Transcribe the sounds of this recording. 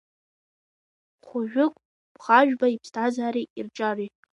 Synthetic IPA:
χʷʊʒᶣʊkʷʼ | b̥χaʒᶣbaipʰstʰazaːɾiirt͡ʃʼari

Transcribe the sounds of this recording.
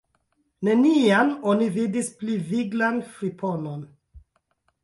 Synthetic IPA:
nenianonividispliviɡlanfɾipʰonon

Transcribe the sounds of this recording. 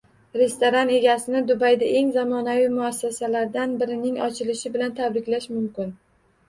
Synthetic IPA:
ɾe̞st̪oɾane̞ɡʲasɪnɪd̪ʊbajd̪aʔe̞ŋzamɒnavɪmʊasːasalaɾd̪anbɪɾɪnɪŋɒt͡ʃʰɪlɪʃɪbɪlant̪ʰabɾɪkʲlaʃmʊmkʲɪn

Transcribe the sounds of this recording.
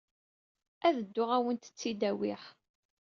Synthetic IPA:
æðəd̪ːʊʁæwənt̪ə̥t͡sːid̪æwɪħ

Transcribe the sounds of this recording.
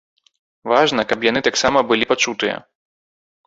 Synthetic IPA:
vaʐnɐkɐpjanɨt̪aksamɐbɨlʲipat͡ʂut̪ɨjɐ̰

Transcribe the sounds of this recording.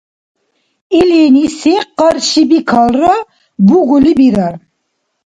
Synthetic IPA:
ɛlenisɛqːɑɾʃibikʰalˠra | buʁulibiɾaɾ

